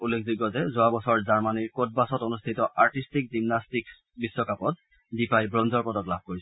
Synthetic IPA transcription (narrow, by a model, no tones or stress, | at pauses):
ulːekʰziɡɔzɛzoabɔsɔɹzaɹmaniɹkot̚basɔtonustʰitɔʔaɹtistik̚zimnastik | bisːɔkapɔt̚ | dipajbɹɔnzɔɹpɔtɔklabʱkoɹisɔ